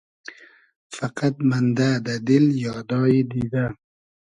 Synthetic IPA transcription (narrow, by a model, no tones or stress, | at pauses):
faqat̪̚mand̪ad̪ad̪ɪljɑːd̪ɑːjed̪id̪a